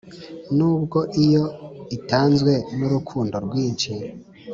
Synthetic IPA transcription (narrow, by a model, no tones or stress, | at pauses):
nuːbɡo̞ʔijo̞itaːnzwe̞nuɾukʰuːndo̞ɾɡwiːɲt͡ʃi